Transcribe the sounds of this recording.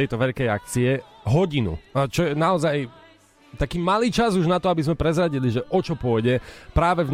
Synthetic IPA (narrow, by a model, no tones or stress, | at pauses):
ɛjt̪ɔʋɛʎkɛjak̚t͡siɛɦɔɟinṵt͡ʃɔjɛnaɔzaj | t̪akiːmaliːt͡ʃazuʒnat̪ɔabizmɛpɾɛzɾaɟiliʒɛʔɔt͡ʃɔpʊɔjɟɛpɾaːʋɛvn